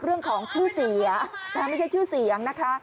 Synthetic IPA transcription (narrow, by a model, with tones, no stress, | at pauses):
ɾɯ˥˩əŋkʰɔː˩˦ŋt͡ɕʰɯː˥˩si˨˩˦ɐ˦t̪ɛː˧˦ma˥˩t͡ɕʰa˥˩jt͡ɕʰuː˥˩si˩˦ə˦ŋna˦˥kʰa˦˥